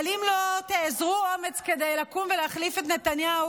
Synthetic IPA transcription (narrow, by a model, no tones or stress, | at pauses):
limlot̪eːzʁuomet͡sked̪ejlakumveleaχlifet̪net̪anjau